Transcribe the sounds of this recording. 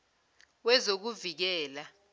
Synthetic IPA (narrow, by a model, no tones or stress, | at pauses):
wɛzok̬uvik̬ɛːla